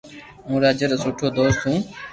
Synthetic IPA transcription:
ũːɾaːd͡ʒəɾəsoːʈʰoːd̪oːst̪ɦũː

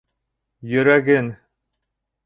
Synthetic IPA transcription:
jɵ̆ɾæɡɘn

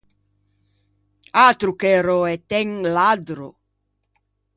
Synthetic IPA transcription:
at̪ɾukeɾoɛt̪ɛŋlad̪ɾo

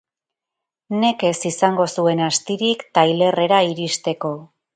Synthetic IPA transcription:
ne̞ke̞sisaŋɡo̞sue̞nast̪iɾikt̪ajle̞re̞ɾaiɾist̪e̞ko̞

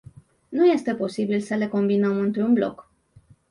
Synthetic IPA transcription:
nuje̞st̪e̞po̞sibilsəle̞ko̞mbinəmɨnt̪ɾunblo̞̰k

